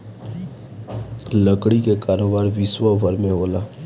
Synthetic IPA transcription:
ləkɽikekaːɾoːbaːɾʋɪswəbʱəɾmẽɦoːlaː

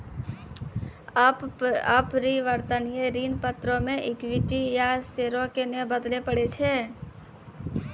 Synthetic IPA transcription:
papɾiʋəɾt̪ənijeɾiːnpət̪ɾomẽʔɪkwɪʈijaseɾokenebəd̪lepəɽet͡ʃʰe

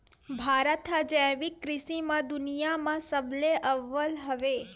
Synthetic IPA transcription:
bʱaɾət̪ɦəd͡ʒɛ̃ʋikːɾɪʃimãd̪ʊnijamãsəbleʔəʋəlɦəʋe

